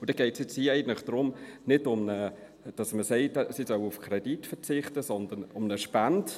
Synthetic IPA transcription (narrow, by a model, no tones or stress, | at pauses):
ʊd̥ɛɡ̥ɛɪtsjɪt͡shiːɛɪɡəntlɪχd̥ɾʊmnɪdʊmnə | d̥ɑsməsɛɪtsisœwufkʰɾɛd̥itfəɾt͡sɪχtəsɔnd̪ənʊmnəʃpænd